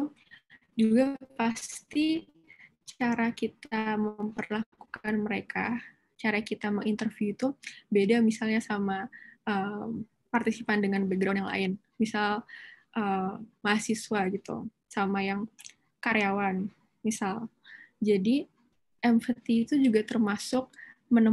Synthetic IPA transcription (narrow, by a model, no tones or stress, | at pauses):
d͡ʒuɡapast̪i | t͡ʃaɾakit̪aməmpərlakukanməɾekʰa | t͡ʃaɾakit̪aməŋint̪ərvjuit̪ubedamisalɲasamaəm | part̪isipandəŋanbɛɡɾawnjaŋlʔa̰ɪn | misalʔəmahasisuaɡit̪ṵ | samajaŋ | kaɾeawan | misal | d͡ʒadi | ʔɛmfət̪iːt̪ud͡ʒuɡat̪ərmasʊk̚ | mənə